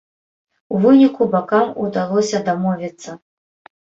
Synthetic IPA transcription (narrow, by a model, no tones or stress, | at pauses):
uvɨnʲikubakamud̪alˠɔsʲɐd̪amɔvʲit̪sːɐ